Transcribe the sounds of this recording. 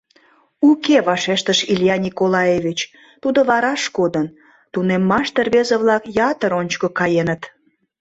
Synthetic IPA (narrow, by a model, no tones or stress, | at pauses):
ukeβɑʃeʃt̪əʃilʲjɑnʲikolɑjevʲit͡ɕ | t̪ud̪oβɑɾɑʃkod̪ən | t̪unemːɑʃt̪erβezəβlɑkjɑt̪əɾonʲt͡ɕkəkɑjenət̪